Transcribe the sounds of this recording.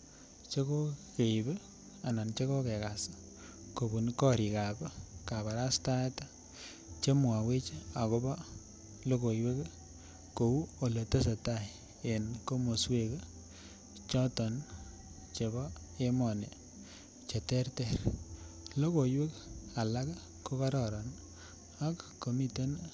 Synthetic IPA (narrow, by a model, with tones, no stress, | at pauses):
t͡ʃe˦ko˦ke˨i˨be˦ | a˨na˨nt͡ʃe˦kɔ˦ke˨ka˨sḁ˦ | ko˨bu˨nkɔ˦ɾi˨ka˨bka˨βa˨ɾa˦sta˦ta˦ | t͡ʃe˦mwa˨we˦t͡ʃe˦a˨ko˦ba˦ | lo˦ko˨jwe˦k | ko˨u˦o˨lə˨tə˦s̬a˨ta˦˨ | e˨nko˦mo˨swe˦k | t͡ʃɔ˦tɔ˨n | t͡ʃe˨bɔ˦ | e˦mɔ˨ne˨ | t͡ʃe˨te˦rte˨ɾ | lo˦ko˨jwe˦ka˨la˦k | ko˦ka˦ɾɔ˨ɾɔ˨n | a˨kko˨mi˦te˦n